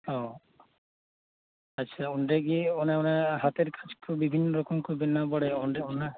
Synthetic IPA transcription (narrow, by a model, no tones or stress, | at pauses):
ɔ | aːʃʰaunɖɾeɡioneoneɦat̪eɾkḁd͡ʑkobibʱinːɔɾɔkɔmkoɾbenːabɔɽeonɖeona